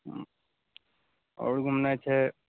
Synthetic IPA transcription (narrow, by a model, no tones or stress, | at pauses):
ɔ̰ɽɡʱumnajt͡ʃʰɛ